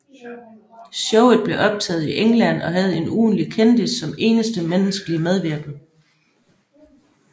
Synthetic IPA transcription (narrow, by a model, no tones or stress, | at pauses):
sɔʊð̩ˠb̥le̝ʔɒ̽b̥̚t͡sʰɛ̰ːð̞̩ˠiʔeŋlæn̰ɒ̽ɦæð̞̩ˠe̝nuːnlikʰend̥isːɒ̽me̝̰ːnəsd̥əmenəsɡ̥əlimeð̞ˠʋeɐ̰ɡ̥n̩